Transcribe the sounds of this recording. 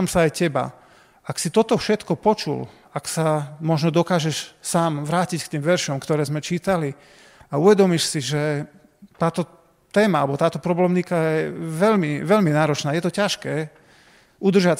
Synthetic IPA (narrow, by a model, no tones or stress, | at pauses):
amsaajcɛba̰ | aksit̪ɔt̪ɔfʃɛt̪kɔpɔt͡ʃṵl | aksamɔʒnɔd̪ɔkaːʒɛʃsaːmʋɾaːcickt̪iːmʋɛɾʃɔmkt̪ɔɾɛːzmɛt͡ʃiːt̪ali | auʋɛd̪ɔmiʃsiʒɛ | t̪aːt̪ɔ | t̪ɛːmaalɛbɔt̪aːt̪ɔpɾɔblɛmnikajɛɛʋɛʎmiʋɛʎminaːɾɔt͡ʃnaːjɛt̪ɔcaʃkɛː | ud̪r̩ʒa